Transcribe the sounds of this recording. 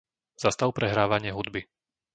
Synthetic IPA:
zast̪aʊpɾɛɦɾaːʋaɲɪɛɦud̪bi

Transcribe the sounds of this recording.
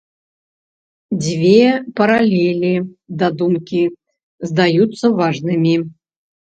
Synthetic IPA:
d͡zʲvʲepɐɾalʲelʲid̪ad̪umkʲi | zd̪ajut̪sːɐvaʐnɨmʲi

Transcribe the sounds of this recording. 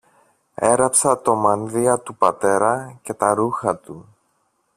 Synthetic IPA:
e̞ɾɐpsɐt̪o̞mɐnðiɐt̪upɐt̪e̞ɾɐce̞t̪ɐɾuxɐt̪u

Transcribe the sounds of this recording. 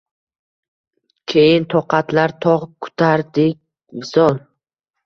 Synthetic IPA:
kʲʰejɪnt̪ʰɒqʰɑt̪ʰlaɾt̪ʰɒʁkʰʊ̥t̪ʰaɾd̪ɪk̚ʲ | mɪzɒlˠ

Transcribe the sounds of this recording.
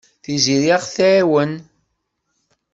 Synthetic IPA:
θiziɾiaʁθʕiwən

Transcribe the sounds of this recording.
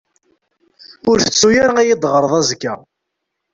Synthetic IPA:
ʊɾθə̥t͡sːujæɾæjid̪ˤʁəɾˤðˤæzɡæ̰

